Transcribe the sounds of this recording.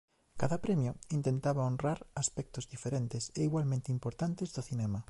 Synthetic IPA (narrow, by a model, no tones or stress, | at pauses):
kaðɐpɾɛmjoint̪ent̪aβaonraɾaspɛk̚t̪ʊzðifeɾent̪ɪseiɣwalmẽnt̪eimpoɾt̪ant̪ezðoθinɛma